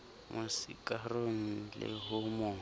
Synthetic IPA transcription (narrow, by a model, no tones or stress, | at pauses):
mʔʊsikʼaroŋ̩lɪ̰ɦʊmʊː